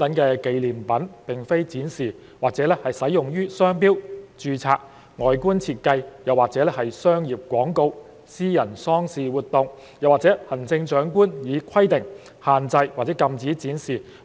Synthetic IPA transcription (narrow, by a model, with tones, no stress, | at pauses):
t̪ɐ˨˥nkɛː˧ke˨˧jliː˨˩mpɐ˨˥npɪ˨ŋfe˥jt͡siː˨˥nsiː˨˩ | waː˨k̚t͡sɛː˨˥lɛː˥hɐ˨jsɐ˨˥jʊ˨˩ŋjyː˥sœː˥ŋpiː˥wt͡ʃyː˧t͡sʰaː˧k̚ | ŋɔː˨˩jkuː˥nt͡sʰiː˧t̚kɐ˧jjɐ˨waː˨k̚t͡sɛː˨˥lɛː˥hɐ˨jsœː˥ŋjiː˨p̚kʷɔː˨˥ŋko˧w | siː˥jɐ˨˩nsɔː˥ŋsiː˨˩wuː˨˩t̪̚ʊ˨˧ŋ | jɐ˨waː˨k̚t͡sɛː˨˥hɐ˨˩nt͡sɪ˧ŋt͡ʃœː˨˥ŋkuː˥njiː˨˧kʰɐ˥jt̪ɪ˨˩ŋ | haː˨˩nt͡sɐ˧jwaː˨˩t͡sɛː˨˥kɐ˧mt͡siː˨˥t͡siː˨˥nsiː˨˩